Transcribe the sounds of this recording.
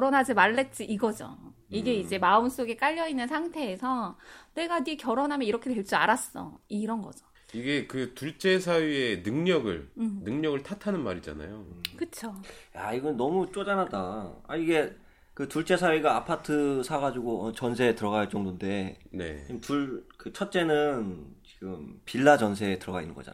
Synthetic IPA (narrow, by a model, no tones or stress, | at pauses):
kjʌɾonɦad͡ʑimaɭːe̞t̚t͡ɕ͈iʔiɡʌd͡ʑo̰iɡe̞id͡ʑe̞maɯms͈oɡe̞k͈aʎːʌinːɯnsʰaŋtʰe̞ːsʰʌne̞ɡanikjʌɾonɦamjʌniɾʌkʰetwe̞ɭs͈ia̰ɾas͈ʌ̰iɾʌnɡʌd͡ʑo̥ | iɡe̞kɯtuɭt͡ɕ͈e̞s̬ʰaɥie̞nɯŋɲʌɡɯ̰ɭnɯŋɲʌɡɯɭtʰatʰanɯnmaɾid͡ʑa̰na̰jokɯt͡ɕʰojaiɡʌnːʌmut͡ɕ͈od͡ʑanadaa̰iɡe̞ | kɯtuɭt͡ɕ͈e̞sʰawiɡaapʰatʰɯsʰaɡad͡ʑuɡoʌt͡ɕʌnsʰe̞tɯɾʌɡaɭt͡ɕ͈ʌŋdonde̞ne̞̰imtuɭkɯt͡ɕʰʌt̚t͡ɕ͈e̞nɯnt͡ɕi̥ɡɯmpiɭːad͡ʑʌnsʰe̞ːtɯɾʌɡainːɯnŋɡʌ̰d͡ʑa̰